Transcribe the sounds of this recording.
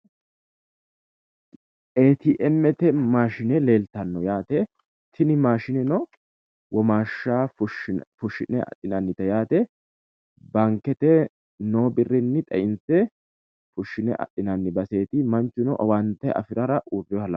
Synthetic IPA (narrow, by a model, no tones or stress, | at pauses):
eːt̪iʔɛmːɛt̪ɛmaːʃɪnɛle̞ːlt̪ɐnːɔjaːt̪ɛ | t̪ʰɪnɪmaːʃɪnɛnɔ | wɔmaːʃːaːʊʃfʊʃɪnɛɐ̰ɗɪnɐnːɪt̪ɐjaːt̪ɛ | bɐŋkːɛt̪ɛ | noːbɪrːɪnːɪt̪ʼɐʔɪnsɛ | fʊʃːɪnɛ̰ʔɐ̰ɗɪnɐnːɪbɐse̞ːt̪ɪmɐnt͡ʃːʊnɔʔɔwant̪ɐʔɐ̰fɪɾɐɾɐʔuːrːɪɔhɐlɐ